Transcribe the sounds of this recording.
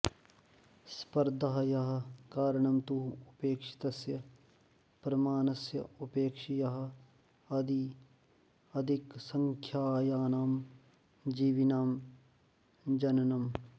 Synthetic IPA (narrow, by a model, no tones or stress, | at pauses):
spɐɾd̪ʱɐɦɐjɐɦɐ̆kaːɾɐɳɐmt̪uɦuɐpeːkʂi̥t̪ɐsjɐ | pɾɐmaːnɐsjɐ̰ɐpeːkʂijɐɦɐ̆ | ɐd̪i | ɐd̪ʱiksɐŋkʰjaːjaːnaːm | d͡ʒiːʋinaːm | d͡ʒɐnɐnɐm